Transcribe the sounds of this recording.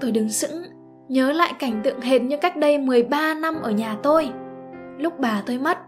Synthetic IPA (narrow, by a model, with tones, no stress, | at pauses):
t̪o˧˩jɗɨ˨˩ŋsɨ̰˧˥ŋ | ɲəː˨˦la̰ː˧˨jka˧˩jŋ̟t̪ɨ̰˧˨əŋɦe˨˩t̚ɲɨ˧kaː˦˥k̚ɗə˧jmɨ˨˩əjɓaː˧na˧mʔəː˧˩ɲaː˨˩t̪o˧j | lʊ˦˥k͡p̚ɓaː˨˩t̪o˧jma˦˥t̚